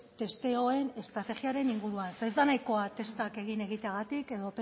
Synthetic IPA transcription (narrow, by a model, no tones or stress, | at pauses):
t̪e̞st̪e̞o̞e̞ne̞st̪ɾat̪e̞ɣiaɾe̞niŋɡuɾuansezd̪anajko̞at̪e̞st̪ake̞ɣ̞ine̞ɣ̞it̪eaɣat̪ike̞ðo̞te